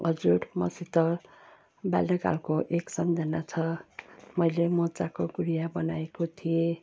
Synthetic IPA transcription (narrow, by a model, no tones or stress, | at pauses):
ʌd͡zuɽmʌ̰sit̪ʌr | ba̰lːʌka̰lkoʔeksʌnd͡zʱʌnat͡sʰʌmʌjlemot͡sakoɡuɾijabʌnaekot̪ʰije